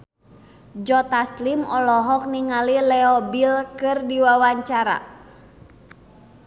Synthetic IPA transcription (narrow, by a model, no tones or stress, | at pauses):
d͡ʒɔt̪aslimɔlɔɦɔk̚niŋalilɛɔbilkɨrdiwawaɲt͡ʃaɾa̰